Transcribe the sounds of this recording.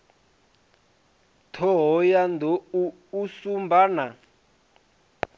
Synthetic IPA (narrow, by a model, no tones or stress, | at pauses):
tʰɔɦɔjand̪ʱɔuː | sumbaːna